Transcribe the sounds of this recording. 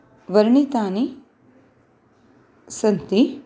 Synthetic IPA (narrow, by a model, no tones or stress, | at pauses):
ʋɐɾɳit̪aːni | sɐnt̪i